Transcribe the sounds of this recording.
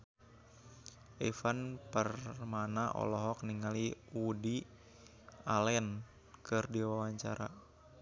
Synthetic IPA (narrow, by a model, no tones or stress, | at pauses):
ʔɛfanpərmanaʔɔ̰lɔɦɔk̚niŋaliudi | alɛn | kɨrdiwawaɲt͡ʃaɾa̰